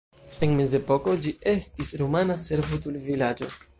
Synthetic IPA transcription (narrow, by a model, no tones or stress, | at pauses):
enmezepo̞ko̞d͡ʒiʔe̞stisɾomanase̞ɾvotulvilad͡ʒo̞̰